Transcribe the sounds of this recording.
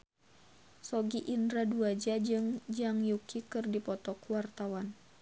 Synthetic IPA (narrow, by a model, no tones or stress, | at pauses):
sɔɡiʔindɾaduad͡ʒad͡ʒɨŋd͡ʒaŋjukʰikɨrdipɔt̪ɔkuwart̪awan